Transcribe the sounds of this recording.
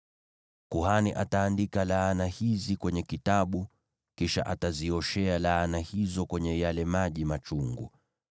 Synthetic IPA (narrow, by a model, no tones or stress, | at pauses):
kuhaniʔataːndikalaːnahizikwɛɲɛkitaɓu | kiʃa̰ʔataziɔʃɛalaːnahizɔkwɛɲɛjalɛmaʄimat͡ʃuŋɡṵ